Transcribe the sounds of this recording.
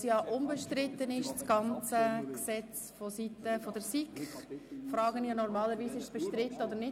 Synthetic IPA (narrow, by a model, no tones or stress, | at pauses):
sjɑːʔʊmbəʃtɾɪt̪ːənɪʃt͡sɡ̥ɑnt͡səksɛt͡s | fɔsit̪əfɔdɛɾsikχfrɑːɡənjɑnɔɾmɑːləɾviːsɪʃsb̥əʃtɾɪt̪ːəod̪əɾnɪ